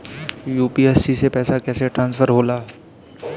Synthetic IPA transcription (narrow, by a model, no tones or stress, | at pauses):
juːpiɛːssisepɛːsakɛːseʈɾãːnsfʰəɾɦoːlaː